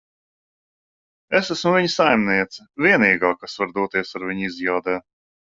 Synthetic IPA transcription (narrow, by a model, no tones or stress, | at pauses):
esæsmʊviɲsajmniɛt̪sɐvʲiɛniːɡaːkasvaɾd̪uɔt̪iɛsaɾvʲiɲizjaːd̪ɛː